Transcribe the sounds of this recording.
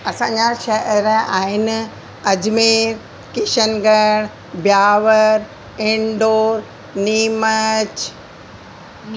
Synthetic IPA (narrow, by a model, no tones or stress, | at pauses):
ɐsãːɲd͡ʑaʃɐəɾəaːɦɪnɪ̆ | ɐd͡ʑmeːɾ | kɪʃənɡəɽ̃ | bjaːʋəɾ | ɪ̃ɳɖoːɾ | niːmət͡ɕ